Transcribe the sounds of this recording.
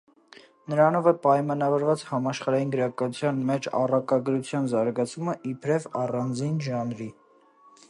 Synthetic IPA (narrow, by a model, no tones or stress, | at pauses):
nəɾɑnɔvəpɑjmɑnɑvɔɾvɑt͡shɑmɑʃχɑɾɑjinɡəɾɑkɑut͡sʰjɑnmɛt͡ʃʰɑ̰rɑkɑɡɾut͡sʰjɑnzɑɾɡɑt͡sʰuməʔipʰɾɛvɑrɑnd͡zinʒɑnɾi